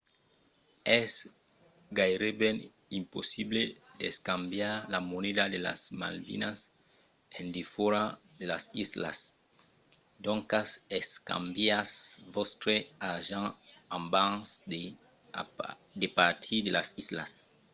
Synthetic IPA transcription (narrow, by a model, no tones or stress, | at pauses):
ɛs | ɡajɾebɛn | imposibled̪eskambjaɾlamoned̪ad̪ela̰sma̰lvḭnas | ẽnd̪ifoɾa | d̪elasisla̰s | d̪oŋkaseska̰mbjasvost̪ɾeaʒããmbãŋsde | d̪epaɾt̪ʰid̪elasisla̰s